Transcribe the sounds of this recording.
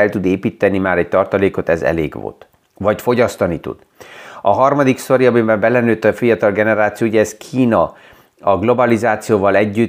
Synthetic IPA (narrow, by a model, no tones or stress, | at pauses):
ɛlt̪ud̪eːpiːt̪ːɛnimaːɾɛc̚t̪ɒrt̪ɒleːko̞t̪ɛ̰zɛ̰lḛːɡʋo̰t̪ | vɒcfo̞ɟɒst̪ɒnit̪ṵd̪̥ɒɦɒrmɒd̪ikso̞ɾijɒbeːbɛmbɛlɛnøːt̪ːɒfijɒt̪ɒlɡɛnɛɾaːt̪sijouɟɛːskʰiːnɒ | ɒɡlo̞bɒlizaːt̪sijoːvɒlɛɟːy